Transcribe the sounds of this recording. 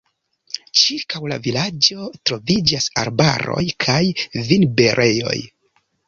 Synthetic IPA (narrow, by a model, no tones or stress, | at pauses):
t͡ʃiɾkawlavilad͡ʒo̞tɾo̞vid͡ʒasaɾba̰ɾo̞̰jkʰajvinbeɾʔe̞jo̞̰j